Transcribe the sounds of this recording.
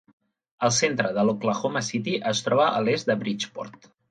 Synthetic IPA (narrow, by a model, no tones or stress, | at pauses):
əlˠsent̪ɾəðəlokləxoməsit̪iʔəst̪ɾɔβəʔəlezd̪əβɾit͡ʃpɔ̰ɾt̪